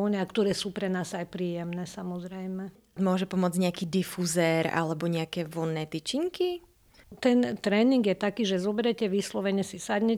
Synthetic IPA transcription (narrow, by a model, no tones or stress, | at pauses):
ɲɛakt̪ɔɾɛːsuːpɾɛnaːzajpɾiːjɛmnɛːsamɔzɾɛjmɛ | mʊɔʒɛpɔmʊɔd͡zɲɛakiːd̪ifuzɛɾa̰lɛbɔɲɛakɛːʋɔnːɛːt̪it͡ʃiŋki | t̪ɛnt̪ɾɛːniŋɡjɛt̪akiːʒɛzɔbɛɾɛcɛʋislɔʋɛɲɛsisad̪ɲɛ